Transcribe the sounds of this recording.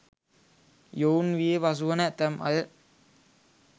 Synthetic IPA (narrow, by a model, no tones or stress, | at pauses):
joːnʋijeʋɐs̬uʋɐnɐt̪ɐmʔɐ̰l